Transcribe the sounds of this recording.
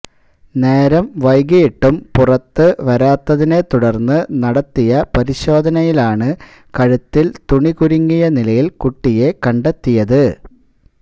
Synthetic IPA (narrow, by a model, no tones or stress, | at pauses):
ne̞ːɾɐmʋɐjɡijiʈːumpurɐt̪ːɨʋɐɾaːt̪ːɐðine̞t̪uɽɐrnːɨnɐɽɐt̪ːijɐpɐɾiɕo̞ːd̪ʱɐnɐjilaːɳɨ | kɐɻut̪ːilt̪uɳikuɾiŋːijɐnilɐjilkuʈːije̞kɐɳɖet̪ːijɐðɨ